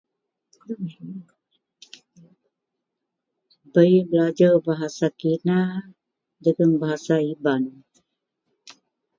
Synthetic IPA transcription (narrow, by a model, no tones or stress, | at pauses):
bəjbəlad͡ʒarbaɦasakina | dəɡanbaɦasaiban